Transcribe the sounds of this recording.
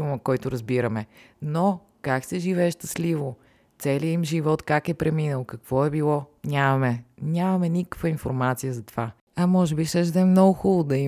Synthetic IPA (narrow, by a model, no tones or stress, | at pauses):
umɐkɔjt̪ʊɾɐzbiɾəmɛno | kaksɛʒivɛːʃt̪ɐslivo | t̪sɛliəimʒivɔt̪kakɛpɾɛminəlˠkɐkv̥ɔɛbilˠɔnʲamɐmɛnʲamɐmɛnikə̥kvəinfo̰ɾmat̪sijəzɐt̪ova | ɐmɔʒɛbiʃɛʒd̪ɛmnɔɡʊxulˠod̪ɐi